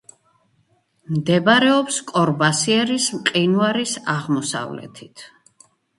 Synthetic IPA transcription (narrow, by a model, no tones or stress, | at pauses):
md̪ɛbaɾɛɔpskʼɔɾbasiɛɾismqʼinuaɾisaʁmɔsa̰vlɛ̰t̪ʰit̪ʰ